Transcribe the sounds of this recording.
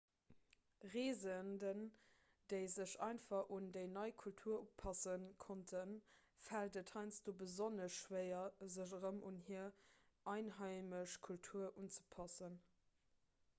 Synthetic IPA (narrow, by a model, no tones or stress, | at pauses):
ʁeːzəndən | d̥əɪzəɕɑ̰ɪnfɑχʔundəɪnɑɪkʰultʰuːɐʔupʰɑsənkʰontʰən | fældəthɑɪnt͡sd̥oːbəzonəsʃweɪɐzəʑəʁəmunɦiɐ | ʔɑɪnɦɑɪməɕkʰultʰuːɐʔunt͡sə̥pʰɑsən